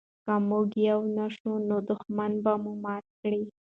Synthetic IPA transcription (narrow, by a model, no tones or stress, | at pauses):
kamuɡjawnaʃunod̪ʊxmanbamumɑt̪̚kɽi